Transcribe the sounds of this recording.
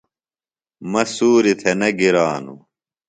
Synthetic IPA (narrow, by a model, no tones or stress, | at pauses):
mɐsuːɾit̪ʰenɐɡiɾaːnṵ